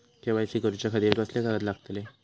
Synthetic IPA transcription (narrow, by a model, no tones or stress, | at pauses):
kẽʋajsiɡəɾut͡ɕakʰəd̪iːɾkəslakaɾət̪laɡt̪le